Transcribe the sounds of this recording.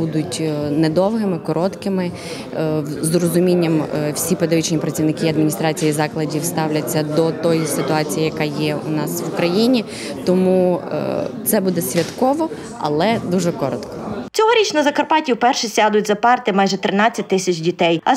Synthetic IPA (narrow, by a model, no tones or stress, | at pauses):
ud̪ʊtʲnɛd̪ɔwɦɪmɪkɔɾʔɔt̪kɪmɪ | zrɔzʊmʲinʲːɐmwsʲipɔd̪ɐʋʲit͡ʃnʲipɾɐt͡sʲiʋnɪkɪiɐd̪mʲinʲist̪ɾɑt͡sʲijizɑklˠɐdʲiwst̪ɑwlʲɐt͡sʲːɐd̪ɔt̪ɔjisɪt̪ʊɑt͡sʲijijɐkɑjɛʊ̰nɑsʋʊkɾɐjinʲi | t̪ɔmṵ | t̪sɛbud̪ɛsʲʋʲɐt̪kɔʋɔ | ɐ̰lˠɛd̪uʒɛkɔɾɔt̪kɔ̥t͡sʲɔɦɔɾʲit͡ʃnɐzɐkɐrpɑtʲiwpɛrʃɪsʲad̪ʊtʲzɐpɑrt̪ɪmɑjʒɛt̪ɾɪnɑt͡sʲɐt̚ʲt̪ɪsʲɐt͡ʃʲdʲit̪ɛjɐ